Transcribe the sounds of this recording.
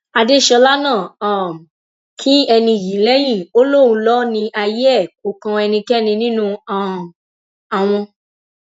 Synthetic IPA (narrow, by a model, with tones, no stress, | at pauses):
a˧de˦˨ʃɔ˧la˦nãː˦˨a˦˨ | kʰi˦ɛ˧nĩ˧˨ji˨˦lɛ˦j̃ĩ˦˨o˦lo˦˨ũ˧lɔ˦nĩ˧ʔa˧je˦ɛ˦˨k̚o˨˦kã˧ɛ˧nĩ˧kɛ˦nĩ˧nĩ˦nũ˦˧ã˦˨ | a˨w̃ɔ̃˧